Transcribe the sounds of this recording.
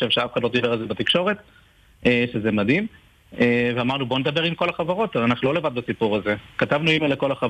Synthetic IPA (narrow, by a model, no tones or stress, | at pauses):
ʃevʃeafe̥χadlo̞d̪ibe̞alzebat̪ikʃo̞ʁet̪ | eʃezemad̪im | eveamaʁnubo̞ned̪abe̞ʁimko̞laχavaʁo̞t̪alanaχnulo̞levad̪̚basipuʁazekat̪avnuimaleko̞laχa